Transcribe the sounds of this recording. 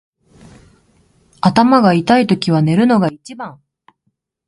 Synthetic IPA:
at̪amaɡait̪ait̪o̞kʲiβane̞ɾɯ̟no̞ɡait͡ɕibãŋ

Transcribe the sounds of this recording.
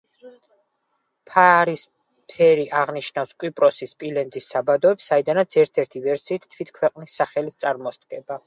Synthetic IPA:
pʰaɾis | pʰɛɾiʔaʁniʃnafskʼwipʼɾɔsispʼilɛnd̪zisːabad̪ɔɛpsaid̪anat̪sʰɛɾt̪ʰɛɾt̪ʰivɛɾsiːt̪ʰt̪ʰwit̪ʰkʰwɛqʼnisːaχɛlit̪̚ʰt̪sʼaɾmɔst̪ʼɡʼɛba

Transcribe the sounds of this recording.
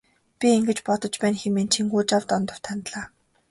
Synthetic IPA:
pʲieŋɡɘ̆t͡ɕpɔt̪ɞ̆t͡ɕpæːnxemeːnt͡ɕʰiŋɡuːt͡ɕawt̪ɔnt̪ɞ̆r̥t̪ʰant̪ɮaː

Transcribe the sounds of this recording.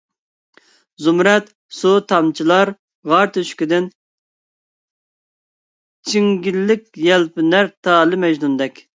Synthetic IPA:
zumɾɛt̪ | sut̪ʰɑmt͡ʃʰilˠɑɾ | ʁɑɾt̪ʰøʃkʲid̪ɪn | t͡ʃʰiŋɡʲilːɪkʲjɛlpɪnæɾt̪ʰɑːlɨmɛʒnund̪ɛkʲ

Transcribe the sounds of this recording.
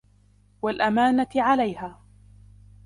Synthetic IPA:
walʔamaːnatʕalajhaː

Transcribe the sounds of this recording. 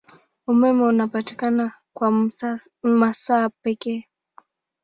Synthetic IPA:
umɛmɛunapati̥kana | kwa | masaːpɛkɛː

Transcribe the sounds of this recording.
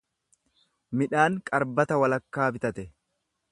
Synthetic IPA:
mɪᶑaːŋkʼɐɾbɐt̪ɐwɐlɐkːaːbɪt̪ɐt̪ɛ

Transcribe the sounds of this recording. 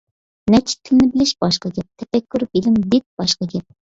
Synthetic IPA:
nɛt͡ʃʰɪ̥t̪ʰːɪlɪnɪbɪlɪʃb̥ɑʃqɑɡʲɛp̚t̪ʰɛpɛkʲːyɾbelɪmbɪt̪̚b̥ɑʃqɑɡʲɛp̚

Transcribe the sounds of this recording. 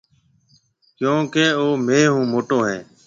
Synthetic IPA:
kjõːkeːoːmeːɦũːmoːʈõːɦɛː

